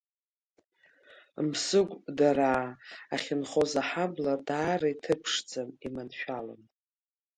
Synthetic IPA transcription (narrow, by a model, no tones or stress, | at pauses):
msɨɡʷʼdaɾaːaχʲɪnχo̞zaħabladaːraitʰɨpʰʂd͡zamimanʃᶣala̰n